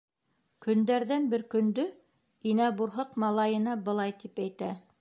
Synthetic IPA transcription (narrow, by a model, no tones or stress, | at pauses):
kɵ̆nd̪æɾðænbɘɾkɵ̆nd̪ɵ | inæbuɾɦɤqmɑlˠɑjɤ̆nɑbɤ̆lˠɑjt̪ipæjt̪æ